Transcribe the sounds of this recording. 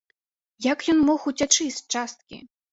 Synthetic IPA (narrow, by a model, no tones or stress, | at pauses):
jakjɔnmɔxut͡sʲat͡ʂɨsʲt͡ʂast̪̚kʲḭ